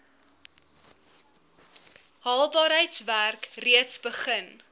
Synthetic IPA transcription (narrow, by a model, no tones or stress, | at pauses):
ɦɑːlˠbɑːɾɦəjtsværkriətsbəχən